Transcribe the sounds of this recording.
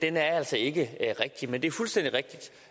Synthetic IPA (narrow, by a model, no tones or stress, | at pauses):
d̥enæɐæl̰sɒe̝ɡ̥əʁɛɡ̥̚d̥imend̥e̝æɐfulsd̥en̰d̥iʁɛɡ̥̚d̥id̥